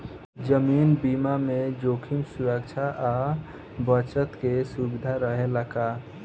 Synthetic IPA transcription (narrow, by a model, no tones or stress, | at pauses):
d͡ʒəminbimamed͡ʒokʰimsuɾəkt͡ʃʰaʔa | bət͡ʃət̪kesubid̪ʱaɾəɦeləka